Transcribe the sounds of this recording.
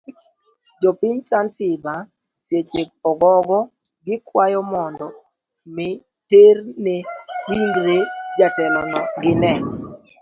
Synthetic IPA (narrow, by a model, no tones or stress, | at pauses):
d͡ʒɔpiɲsansɪba | sjet͡ʃek̚ɔɡɔɡɔ | ɡɪkwajɔmɔndɔ | mɪ | ternewiŋɡɾed͡ʒatɛlɔnɔɡɪnɛ